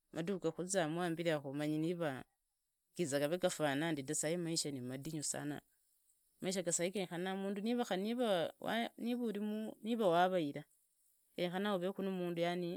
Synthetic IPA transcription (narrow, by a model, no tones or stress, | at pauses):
mʔadukaxuzamwaːmbiɾaxomaɲiniβa | kizakaβekafanandidasajimaiʃanimadiɲusa̰na̰ | maiʃ̬aɡasaikeɲxanamuːnduniβaxaniβawa̰niβuɾimuniβawaβaiɾa | keɲxanaoβexunomuːndujani